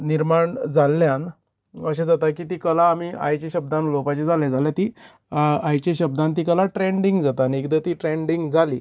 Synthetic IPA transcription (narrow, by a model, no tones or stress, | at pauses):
niɾmaɳd͡zalːjãn | əɕẽd͡zat̪akiːt̪iːkəlaːmia̰jt͡ɕeɕəb̚d̪ãnlopat͡ɕed͡zaled͡zaljat̪iː | ajt͡ɕeɕəb̚d̪ãnt̪̬ikəlaʈɾeɳɖiŋɡd͡zat̪anekd̪ət̪iːʈɾeɳɖiŋɡd͡zali